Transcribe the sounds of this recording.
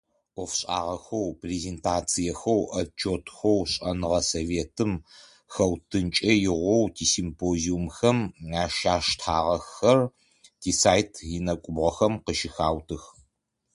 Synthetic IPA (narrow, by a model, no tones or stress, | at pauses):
ʔʷɔfɕʼa̰ːʁɐxɐwpreːzeːntʰaːt͡sʰijɐxɐwʔɐt͡ʃʰʼoːtʰxʷɐwɕʼɐnɨʁɐsoveːtʰɨm | xɐwtʰɨnt͡ʃʼɐjɪʁʷɔwtʰiːsimpʰoːziumxɐmaːʃaːʃtʰaːʁɐxɐr | tʰiːsaːjtʰinɐkʷʼʊbʁɐxɐmqəʃɪxaːwtʰɨx